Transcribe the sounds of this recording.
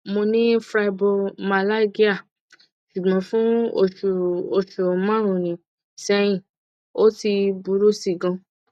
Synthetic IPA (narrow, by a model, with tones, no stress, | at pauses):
mo˧nĩ˦fɾa˧i˧bo˧ma˧la˦ɡi˦a˦˨ | ʃu˨ɡ͡bɔ̃˨˦fũ˦o˧˨o˧ʃu˨mã˦ɾ̃ũ˨nĩ˨ | sɛ˧j̃ĩ˨ | o˦ti˧bu˨˦ɾu˦si˨ɡã˧